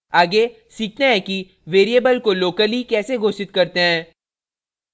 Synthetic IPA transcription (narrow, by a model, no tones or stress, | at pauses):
aːɡe | siːk̚ʰnaɦɛ̃ki | ʋeːɾijəbəlkoloːkəlikɛːseɡʱoːsɪt̪kɐɾt̪eɦɛ̃ː